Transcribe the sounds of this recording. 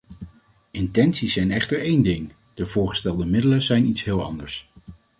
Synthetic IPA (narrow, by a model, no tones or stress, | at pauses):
ɪntɛnsisɛjnɛχtəɹejndɪŋ | d̥əv̥ʊːɹχə̥stɛlˠdəmɪdələzɛjnitsɦɪːlˠɑ̰ndəɹs